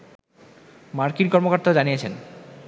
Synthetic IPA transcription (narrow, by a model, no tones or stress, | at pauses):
maɾkinkɔɾmokaɾt̪ad͡ʑanijet͡ɕʰen